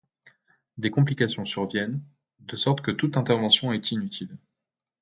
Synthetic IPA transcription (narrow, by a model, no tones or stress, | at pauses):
d̪ekɔ̃plikasjɔ̃syʁvjɛn | d̪əsɔʁt̪kət̪ut̪ɛ̃t̪ɛʁvɑ̃sjɔ̃ɛt̪inyt̪ʰil